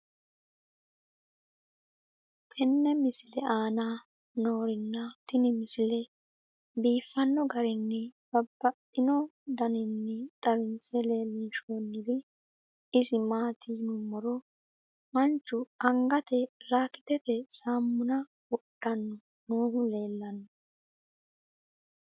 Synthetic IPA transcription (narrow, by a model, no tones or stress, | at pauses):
t̪ʼɛnːɛmɪsɪlɛʔaːna | noːɾɪnːɐt̪ɪnɪmɪsɪlɛ | biːfːɐnːɔɡɐɾɪnːɛb̥ɐbːɐt̪ʼːɪnɔd̪ɐnɪnːɛt̪ʼɐβɪnt͡sːɛle̞ːlːiːʃoːnːɪd̪ɪ | ɪsɪmaːt̪ʰinʊmːɔɾɔ | mɐnt͡ʃːʊɐŋɡɐt̪ɛɾaːkɪ̥t̪ɛfɛsaːmːʊnɐ | wɔɗ̥ːɐnːɔ | noːɡʊle̞ːlːɐnːɔ